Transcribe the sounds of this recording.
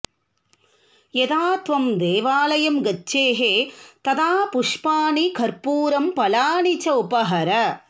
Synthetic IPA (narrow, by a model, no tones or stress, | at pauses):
jet̪aːt̪ʋɐmd̪eːʋaːlɐjɐmɡɐt͡ʃːeːɦet̪ɐt̪aːpʊʂpaːnikɐɾpuːɾɐmpɐlaːɳit͡ʃɐupɐɦɐɾɐ